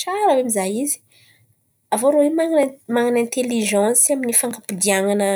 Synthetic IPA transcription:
t͡ʃaɾəwamizajizi̥ | avoɾowemanmaŋanɛ̃nt̪eliʒɑ̃saminifaŋɡapud̪iaŋanə

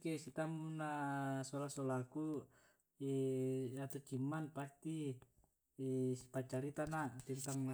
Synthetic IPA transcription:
kɛsit̪amunasɔlasɔlaku | iat̪ut͡ʃimːanpast̪iː | pat͡ʃaɾit̪anat̪int̪aŋ

